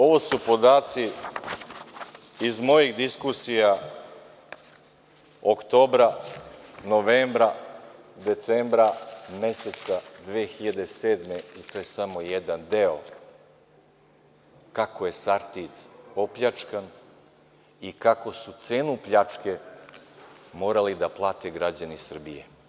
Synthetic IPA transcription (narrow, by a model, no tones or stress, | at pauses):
o̞ʋo̞supo̞d̪aːt̪si | izmo̞jiɣd̪iskusija | okt̪o̞ːbɾa | no̞ʋeːmbɾa | d̪e̞t̪seːmbɾame̞set̪sad̪ʋeːxiʎad̪eseːd̪meit̪oːje̞samo̞jed̪and̪eo̞ | kakoje̞saɾt̪id̪o̞pʎat͡ʂkan | ikako̞sut̪se̞ːnupʎat͡ʂke | mo̞ːɾalid̪aplˠaːt̪eɡɾad͡ʑanisr̩bḭjḛ